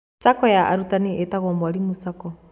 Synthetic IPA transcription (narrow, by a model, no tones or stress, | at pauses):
sakɔjaʔa̰ɾutaniʔetaɣɔːmbwaɾimusakɔ